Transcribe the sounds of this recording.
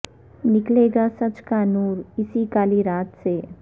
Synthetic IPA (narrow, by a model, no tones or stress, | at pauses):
nɪkleːɡasɐt͡ʃkanuːɾɪsikaːliɾaːt̪seː